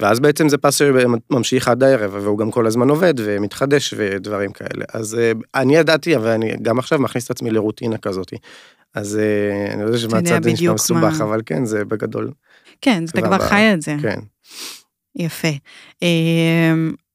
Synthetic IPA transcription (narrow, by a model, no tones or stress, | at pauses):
veazbeet͡semze̞pasʃemamʃiχadlaeʁevveuɡamko̞lazmano̞ve̞d̪ve̞mit̪χade̞ʃvedvaʁimkʰae̞̰lʔḛʔa̰zeanijadat̪iavalanḭɡamaχʃavmaχnistat͡smileʁut̪inakazo̞t̪i | azea̰niodɛaʃeadt͡sazeniʃamesubaχavalkḛnzebeɡad̪o̞̰l | kenatakvaʁajaezekḛn | jafeem